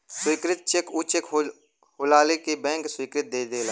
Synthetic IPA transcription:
swiːkɾɪt̪̚t͡ʃekʊt͡ʃek | hʊlaːlikibɛ̃ːŋkswiːkɾɪt̪̚d̪eːd̪eːlaː

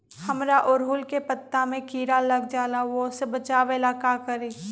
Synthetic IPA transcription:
hɐmɾaʔʊɾɦʊlkepɐt̪ːamẽkiːɾalɐɡd͡ʒaːlaʋosebɐt͡ʃaːʋelaːkakɐɾiː

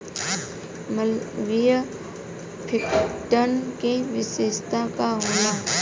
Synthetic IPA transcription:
məlʋijə | pʰɪkʈənkẽʋɪseːst̪akaɦõːnaː

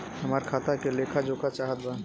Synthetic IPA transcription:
ɦɐmaːɾkʰaːt̪akeleːkʰad͡ʒoːkat͡ʃaːɦət̪̚ba

